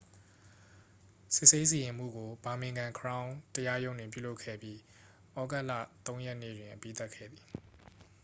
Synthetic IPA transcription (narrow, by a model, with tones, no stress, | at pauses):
sɪ̰˦ʔse˦s̬i˨jɪ̃˨m̥ṵ˦˨ɡo˨ba˨mɪ̃˨ŋɡã˨ŋkʰəɹã˦ʊ̃təja˦jõ˦ʊ̃ndwɪ̃˨p̬jṵ˦˨lo˦ʊkʰɛ̰˦˨bji˦ | ʔɔ˦ɡɛ˦ʔlä̰˦˨t̪õ˦ʊ̃jɛ˦ʔnḛ˦˨dwɪ̃˨ʔəpḭ˦˨t̪a˦ʔkʰɛ̰˦˨d̪ði˨